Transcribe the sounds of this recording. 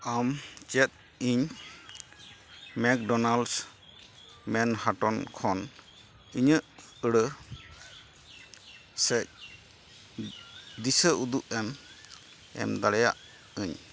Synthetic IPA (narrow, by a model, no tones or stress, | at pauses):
amt͡ʃɛt̪̚ | iɲ | mɛk̚ɖɔnals | mɛnhaʈɔnkʰɔn | iɲəʔ | əɽə | sɛc̚ | d̪isəʔud̪uʔɛm | ɛ̰md̪aɽɛja̰ʔ | əɲ